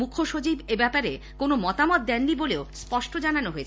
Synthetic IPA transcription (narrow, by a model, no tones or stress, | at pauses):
mukʰoʃot͡ɕibebɛpaɾe | konomɔt̪amɔt̪̚d̪ɛnːiboleospɔʃʈʰod͡ʑananoɦoet͡ɕʰ